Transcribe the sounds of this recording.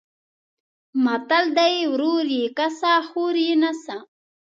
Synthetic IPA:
mat̪ald̪ajwɾuɾjikasaːxuɾjinasa

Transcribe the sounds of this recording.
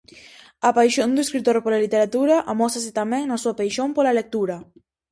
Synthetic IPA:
apajʃond̪ueskɾit̪oɾpolalit̪eɾat̪uɾɐʔamɔsas̬ɪt̪amɛ̃ŋnasuapajʃõmpolalek̚t̪uɾɐ

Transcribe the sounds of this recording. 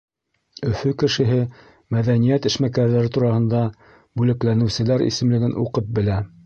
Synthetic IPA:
ɵ̆fɵkɘ̆ʃɘ̆ɦɘ | mæðænijæt̪ɘ̆ʃmækæɾðæɾɘt̪uɾɑhɤ̆nd̪ɑ | bʉlɘ̆klænɘ̆wsɘ̆læɾʔḭsɘ̆mlɘ̆ɡɘnʔṵqɤp̚bɘ̆læ

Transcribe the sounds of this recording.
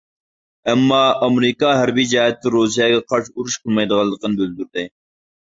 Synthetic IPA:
ɛmːɑːɑmɾikɑɦæɾbid͡ʒɑɦɛt̪ːɪɾus̬ijɛɡʲɛqʰɑɾʃuɾuʃqʰəlˠmɑjd̪əʁɑlˠːəqənbyld̪yɾd̪ɪ

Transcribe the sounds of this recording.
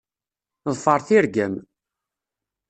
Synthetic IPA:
ðˤfəɾˤθiɾɡæm

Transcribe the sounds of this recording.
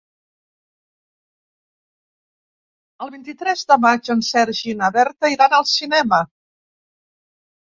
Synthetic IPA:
əlˠβint̪it̪ɾɛzd̪əmad͡ʒənsɛɾʒinəβɛɾt̪əiɾanəlˠsinɛmə

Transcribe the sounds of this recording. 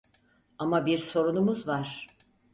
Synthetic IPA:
amabiɾso̞ɾunumuzvaɾ̥

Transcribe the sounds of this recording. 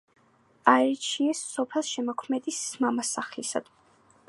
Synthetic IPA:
aɛɾit͡ʃʰiɛsːɔpʰɛlˠʃɛmɔkʰmɛd̪ismamasaχlisa̰d̪̥

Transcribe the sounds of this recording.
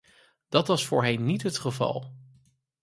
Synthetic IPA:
d̥ɑtʋɑsfʊːɹɦɛnnitɦətχəvɑ̰lˠ

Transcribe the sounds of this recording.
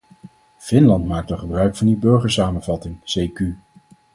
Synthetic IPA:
fɪnlɑntmaːk̚təχəbrœɥkfɑndibɵɹχəɹsaːmənvɑtɪŋsejky

